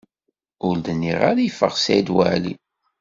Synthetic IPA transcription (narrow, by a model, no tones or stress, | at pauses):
ʊld̪ənːiʁaɾajfə̰ʁsæd̪wæ̰ʕlḭ